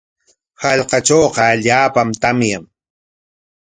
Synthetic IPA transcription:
hɑʎqɑt͡ʃoːqɑaʎaːpamt̪amjaŋ

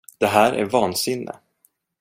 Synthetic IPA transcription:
d̪̥ɛɦæːɾʔæ̰ɾvɑːnsɪnːɪ̰

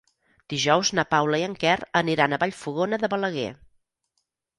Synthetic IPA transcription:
d̪̥iʒɔwznəpawləiəŋkɛrəniɾanəβaʎfuɣonəðəβələɣ̞ɛ̰

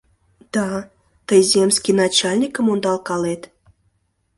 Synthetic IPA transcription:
d̪̥ɑ | t̪əjzʲemsʲkʲinɑt͡ɕalʲnʲikəmond̪ɑlˠkɑlet̪

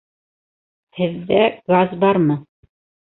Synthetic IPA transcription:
hɘ̆ðːæɡazbɑɾmɤ

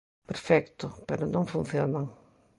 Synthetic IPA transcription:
peɾfɛkt̪ʊpeɾʊnõŋfũn̟θjonaŋ

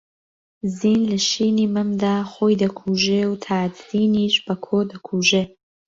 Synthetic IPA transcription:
ziːnlɐʃiːniːmɨmd̪aːχoːjd̪ɐkʰuːʒewt̪ʰaːd̪ziːniːʃb̥ɐkʰoːd̪ɐkʰuːʒe

